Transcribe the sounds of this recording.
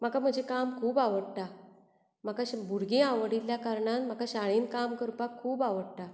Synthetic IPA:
m̤akam̤əd͡ʑekamkʰuːbaʋəɽt̪a | m̤akaɕbʱuɾɡeaʋɽiljakaɾɳãt̪m̤akaɕaɭinkamkəɾpakʰːuːbaʋəɽt̪a

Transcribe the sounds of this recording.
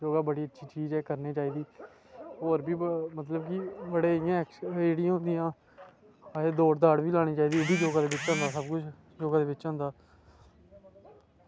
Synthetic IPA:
d͡ʒoːɡaːbəɽiːətːʃʰiːt͡ʃiːzɛːkəɾneːt͡ʃaːiːd̪iː | ɦoːɾbiːmət̪ləbkibəɽeːɪjãːɛkseːɽɪjãːɦʊ̃nd̪ɪjãː | eːd̪oːʈd̪aːɽbiːlaːɽ̃iːt͡ʃaːiːd̪iːʊbiːd͡ʒoːɡaːd̪eːbɪt͡ʃːãːnd̪aːsəbkʊt͡ʃʰ | d͡ʒoːɡaːd̪eːʋɪt͡ʃːãːnd̪aː

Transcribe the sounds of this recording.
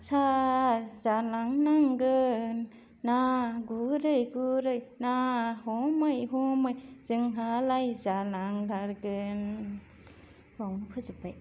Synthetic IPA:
sa | zalaŋnaŋɡɯnː | aɡuɾɯjɡuɾɯjnahɔmɯjɦɔmɯjzɯŋɦalajzalaŋlaɾɡɯn | ɾawmpʰɯzɯpaj

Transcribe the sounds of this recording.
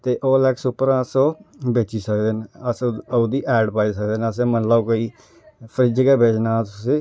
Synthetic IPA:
t̪eːʔoːlɛːksʊpːəɾasoːbeːt͡ʃiːsəkd̪eːnəsud̪iːʔɛːɖpaːiːsəkd̪eːnəsẽːmənlaokoːiː | pʰəɾɪd͡ʒkɛːbʱeːd͡ʒnaːse

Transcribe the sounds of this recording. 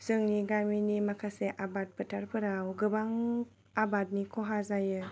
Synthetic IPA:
sɯŋniɡaminimakʰaseʔabat̚pətʰaɾpɯɾawɡɯbaŋ | abat̚nikʰɔɦazajɯ

